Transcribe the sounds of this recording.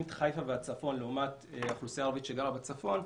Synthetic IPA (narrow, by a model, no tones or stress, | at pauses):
mt̪χajfaveat͡safo̞nleumateaχlusijaːʁavitʃeɡalabet͡safo̞n